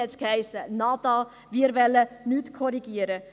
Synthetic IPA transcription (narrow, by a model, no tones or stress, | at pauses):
ɛt͡skhæɪsənɑːt̪ɑː | ʋiːɾʋɛlːənyːt̪kʰɔɾiɡ̥iəɾə